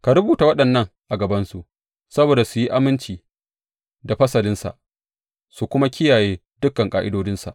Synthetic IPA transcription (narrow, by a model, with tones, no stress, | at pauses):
ka˨ɽʊ˦buː˨ta˨wɐ˦ɗɐ˨nːɐ˦ŋʔa˨ɡɐ˨bɐ˦nsu˨ʔ | sɐ˦boː˨da˨su˨ji˦ʔa˦mɪ˦nt͡ʃiː˨ | da˨ɸɐ˦sɐ˨lɪ˦nsa̰˨ʔ | su˨kʷʊ˦ma˦kʲɪ˦jaː˨jeː˦ | dʊ˦kːɐ˨ŋkʼa̰ː˨ʔɪ˦doː˦d͡ʒɪ˦nsa̰˨ʔ